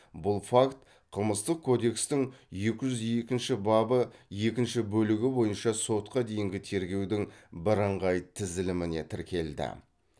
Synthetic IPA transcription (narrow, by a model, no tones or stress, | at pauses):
bʊlˠfakt̪ | qʰəlˠməst̪əq̚kʰo̞d̪e̞kst̪ɪŋje̞kʲɪʒʏzje̞kʲɪnʃɪbɑbəje̞kʲɪnʃɪbɵlɪɡʲɪbo̞jənʃɑso̞t̪qɑd̪e̞jɪŋɡʲɪt̪ʰe̞ɾɡʲe̞wd̪ɪŋbəɾəɴʁɑjt̪ʰɪzɪlɪmɪne̞t̪ʰɪɾkʲʰe̞ld̪ɪ̰